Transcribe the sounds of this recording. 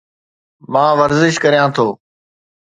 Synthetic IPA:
mãːʋəɾzɪʃkəɾjãːt̪ʰoː

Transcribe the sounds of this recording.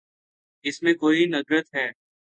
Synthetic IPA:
ɪsmẽkoːinɐɡɾət̪ɦɛː

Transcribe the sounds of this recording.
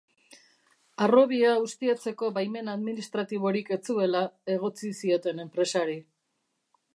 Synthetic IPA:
aro̞βiaust̪iat͡se̞ko̞bajme̞naðminist̪ɾat̪iβ̞o̞ɾike̞t͡sue̞lae̞ɣ̞o̞t͡sisio̞t̪e̞ne̞mpɾe̞saɾi

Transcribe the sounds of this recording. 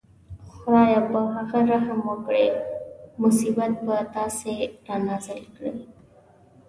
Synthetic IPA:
xʊɾajabəɦaɣaɾaɦəmwəkɽe | mʊsibət̪̚bət̪aseɾanazɪlkɽḛ

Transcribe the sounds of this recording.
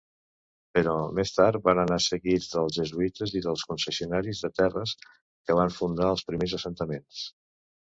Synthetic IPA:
pəɾɔmest̪aɾt̪̚βanənasəɣid͡zðəlˠzʒəzuit̪əziðəlˠskunsəsiunaɾizðət̪ɛrəs | kəβ̞aɱfund̪aəlˠspɾimezəsənt̪əmens

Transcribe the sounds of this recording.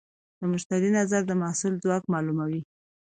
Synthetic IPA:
d̪̥əmʊʃt̪aɾinazaɾd̪əmɑsʊlzwɑkmɑlumawi

